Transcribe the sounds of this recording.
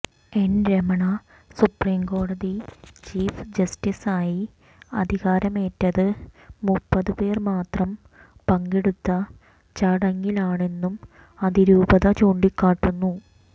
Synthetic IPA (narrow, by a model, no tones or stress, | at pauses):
e̞nɾemɐɳɐ | supriːmko̞ːɽɐðit͡ɕiːfd͡ʑɐstisaːji | ɐd̪ʱiɣaːɾɐme̞ːtːɐðɨmupːɐðɨpe̞ːrmaːt̪rɐm | pɐŋɡeɽut̪ːɐ | t͡ɕɐɽɐŋːilaːɳe̞nːum | ɐðiɾuːbɐðɐt͡ɕoːɳɖikːaːʈːunːu